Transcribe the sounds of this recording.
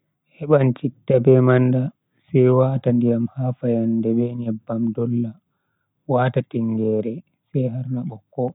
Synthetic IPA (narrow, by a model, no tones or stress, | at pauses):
hɛɓant͡ʃitːabɛmanda | sɛjwatandijamhaːfajandɛbɛɲɛbːamdɔlːa | waːtatiŋɡɛɾɛ | sɛjɦaɾnaɓɔkːɔ